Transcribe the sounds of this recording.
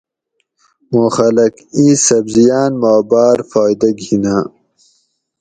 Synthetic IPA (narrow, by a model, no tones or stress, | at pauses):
moːxɐlɐkĩːsɐbzijaːnmɑːbaːɾfɑːjd̪ɐɡinaː